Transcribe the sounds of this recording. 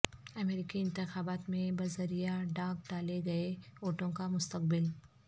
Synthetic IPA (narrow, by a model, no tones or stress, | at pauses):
ɐmeːɾɪkiɪ̃nt̪ɪxaːbaːt̪mẽbɐzəɾijaɖãːk̚ɖaːleɡɐeoːʈõkamʊst̪əq̚bɪl